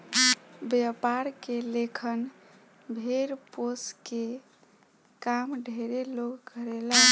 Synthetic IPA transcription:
bjəpaɾkelekʰən | bʱeɾposke | kamɖʱeɾelokɡʱəɾela

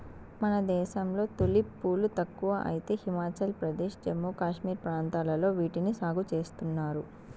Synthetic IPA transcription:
mɐnɐd̪ɛːʃɐmlo̞ːt̪olipːuːlut̪ɐkːuʋɐʔɐ̰jit̪e̞ːhimaːt͡ʃɐlpɾɐd̪eːʃd͡ʒemːuːkaːʃmiːɾpɾaːnt̪aːlɐlo̞ːʋiːʈinisaːɡut͡ʃe̞ːst̪unːaːɾu

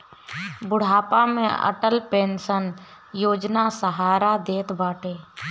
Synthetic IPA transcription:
bʊɽ̤aːpamḛ̃ə̰ʈəlpẽːnsən | joːd͡ʒnasəɦaːɾad̪eːt̪baːʈeː

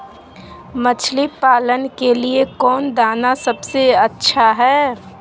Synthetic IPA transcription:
mət͡ʃʰlipaːlənkeliekɔːnd̪aːnasɐbseɐtːʃʰaɦɛː

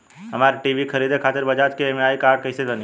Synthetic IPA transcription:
ɦɐmaːɾʈiːʋikʰɐɾiːd̪ekʰaːt̪ɪɾbɐd͡ʒaːt͡ʃkeemaːikaːkɐɪselən

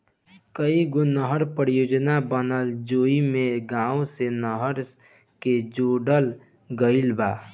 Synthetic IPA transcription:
kəiɡonəɦəɾpəɾijod͡ʒnabənəld͡ʒoimeɡãũsenəɦəɾ | ked͡ʒoɖəl | ɡəɪlba

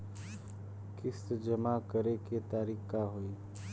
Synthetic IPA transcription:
kɪsd͡ʒəmakəɾeket̪aːɾiːkːaɦoi

